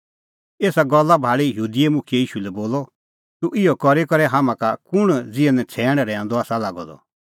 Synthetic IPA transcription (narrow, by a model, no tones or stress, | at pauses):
eːsaɡɔlːabʱaːɭijɦuːd̪iemʊ̃kʰijejiːʃulɛboːlɔ | t̪uʔɪjɔkɔɾekɔɾɛɦamãkakʊɽ̃d͡zɪɛ̃nɛ̃t͡sʰɛːɽ̃ɾɛ̃ːãnd̪ɔaːsalaːɡɔd̪ɔ̰